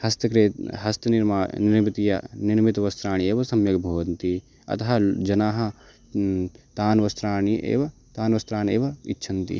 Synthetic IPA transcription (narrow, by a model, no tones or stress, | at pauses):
hɐst̪ɐkɾeːt̪ɦɐst̪ɐniɾmaːniɾmit̪ijɐ̰niɾmit̪ɐʋɐst̪ɾaːɳieːʋɐsɐmjɐɡbʱoːʋɐnt̪i | ɐ̰t̪ɐɦɐd͡ʒɐnaːɦɐ̆ | t̪aːnʋɐst̪ɾaːɳiḛːʋɐ | t̪aːnʋɐst̪ɾaːneːʋɐḭtːʃʰɐnt̪ḭ